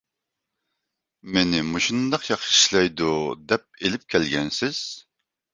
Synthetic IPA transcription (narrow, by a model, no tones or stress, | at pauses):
menɪmuʃund̪ɑqjɑχʃi̥ʃlɛjd̪ud̪ɛp̚elɪp̚kʲʰɛlɡʲɛnsɪz̥